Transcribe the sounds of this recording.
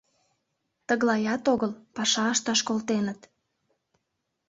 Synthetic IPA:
t̪əɣlɑjɑt̪oɣəlpɑʃɑːʃt̪ɑʃkolt̪enət̪

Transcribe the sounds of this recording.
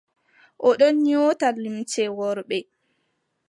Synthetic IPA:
ʔɔɗɔnɲoːtalimtɛwɔɾɓɛ

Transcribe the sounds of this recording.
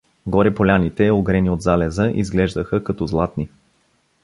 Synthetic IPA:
ɡɔɾɛpolʲanit̪ɛoɡɾɛniod̪zalɛzəʔḭzɡlɛʒd̪əxəkɐt̪ɔzlˠat̪ni

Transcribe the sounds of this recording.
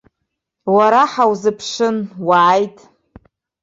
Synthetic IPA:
waɾaħawzɨpʰʂɨnwaːjtʼ

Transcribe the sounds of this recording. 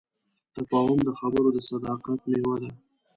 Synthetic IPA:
t̪afɑɦʊmd̪əxabəɾod̪əsad̪ɑqat̪mewad̪a

